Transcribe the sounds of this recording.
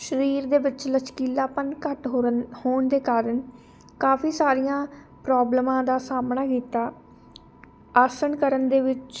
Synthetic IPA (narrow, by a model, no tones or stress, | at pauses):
ʃəɾiːɾd̪eːbɪtːt͡ʃlət͡ʃkiːlaːpənkəʈɦohoːɳd̪eːkaːɾəɳ | kaːfiːsaːɾijãː | pɾaːbləmãːd̪aːsaːmɳaːkiːt̪aː | aːsəɳkəɾənd̪eːʋɪt͡ʃ